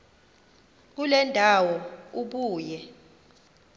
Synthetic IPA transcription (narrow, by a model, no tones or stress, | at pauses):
k̬ulɛndʱawɔuɓuːjɛ